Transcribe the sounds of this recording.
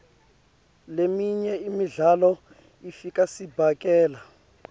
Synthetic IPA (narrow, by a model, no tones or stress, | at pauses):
lemiɲɛimiɮalɔ | ifikasibʱakɛːla